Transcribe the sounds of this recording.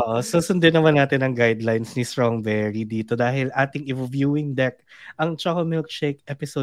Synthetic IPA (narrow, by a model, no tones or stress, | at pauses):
ʔʔoːʔosusʊnd̪ɪnɐmanːaːt̪ɪnːɐŋɡajd̪lajnsnist̪ɹoŋbɛɹid̪iːt̪od̪aːɦɪlʔaːt̪ɪŋɪvvjuːɪŋd̪ɛk̚ʔɐŋt͡ʃɐkɐlmɪlk̚t͡ʃɛjkʔɛpɪso